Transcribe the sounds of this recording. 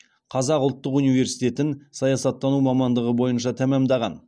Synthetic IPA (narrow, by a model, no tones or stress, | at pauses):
qʰɑzɑqʊlˠt̪ːəqunijve̞ɾsijt̪e̞t̪ɪnsɑjɑsɑt̪ːɑnumɑmɑnd̪əʁəbo̞jənʃɑt̪ʰæmæmd̪ɑʁɑ̰n